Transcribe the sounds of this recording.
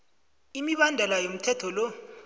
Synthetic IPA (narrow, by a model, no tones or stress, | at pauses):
imiɓandʱɛlajom̩tʰɛtʰɔlɔ